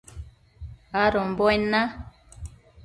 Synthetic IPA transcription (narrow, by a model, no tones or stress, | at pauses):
aɾɔmbɔjna